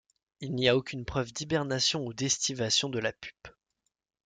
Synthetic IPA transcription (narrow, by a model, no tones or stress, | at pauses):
ilniaokʲynpχœvd̪ibɛʁnasjɔ̃ud̪ɛst̪ivasjɔ̃d̪əlapy̥p